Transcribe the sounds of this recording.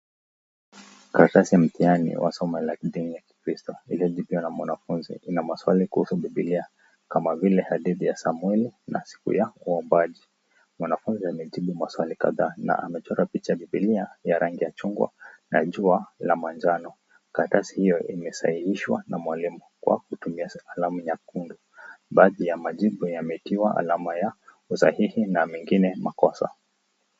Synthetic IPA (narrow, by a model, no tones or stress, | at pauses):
katasijam̩tianḭwʔa̰sɔmɛlaiɗinijaki̥kɾistɔiliɔʄiɓiwanamwanafunzḭʔinamaswalikuhusuɓiɓilia | kamavilɛhaɗiðijasamwɛlina̰si̥kṵjauɔmbaʄi | mwanafunziamɛʄiɓumaswalika̰ðaːna̰ʔamɛt͡ʃɔɾapit͡ʃaɓiɓiliajaɾaŋɡijat͡ʃuŋɡwa̰na̰ʄualamand͡ʒanɔ | katasi̥hijɔʔimɛsahihiʃwa̰namwalimukwa̰kutumiaalamujakundu | ɓaːðijamaʄiɓujamɛitiwaʔa̰lamaja | usa̰hihinamɛŋɡinɛmakɔsa̰